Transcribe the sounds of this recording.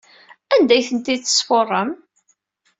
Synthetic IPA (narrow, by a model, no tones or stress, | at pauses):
ænd̪æjθənt̪iθə̥sforˤːəm